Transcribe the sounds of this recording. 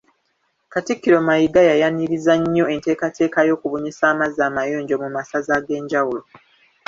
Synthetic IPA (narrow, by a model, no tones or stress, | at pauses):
katikːiɾo̞majiɡajajaniɾizaɲːo̞e̞nte̞ːkate̞ːkajo̞ːkuβoɲisaːmazaːmajoːɲɟo̞mumasazaɡe̞ːɲɟawulo̞